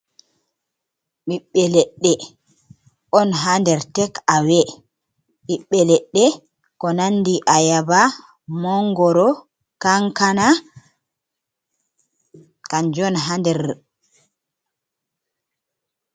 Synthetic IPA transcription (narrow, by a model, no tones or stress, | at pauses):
ɓiɓːɛlɛɗːɛ | ʔɔnɦandɛɾtɛkawɛ | ɓiɓːɛlɛɗːɛ | kɔnanːdiʔajaba | mɔŋɡɔɾɔ | kaŋkana | kaɲd͡ʒɔnɦandɛɾ